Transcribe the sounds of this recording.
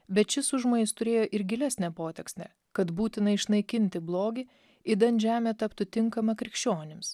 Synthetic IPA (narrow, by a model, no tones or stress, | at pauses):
bʲɛt̪̚t͡ʃʲɪsʊʒmoːnʲɪst̪ʊɾʲeːjoːʔɪɾɡʲɪlʲæsʲnʲɛpoːt̪ʲɛksʲnʲɛ̰ | kɐt̪buːt̪ʲɪnɐɪʃnɐɪkʲɪnʲt̪ʲɪblˠoːɡʲɪ | ɪd̪ɐnʲʒʲæːmʲɛt̪ɐpt̪ʊt̪ʲɪŋkɐmɐkɾʲɪkʃʲt͡ʃʲoːnʲɪms